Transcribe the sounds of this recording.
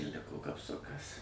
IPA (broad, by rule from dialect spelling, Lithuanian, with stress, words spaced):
ɪr ˈlʲɪkoː kɐpˈsʊkɐs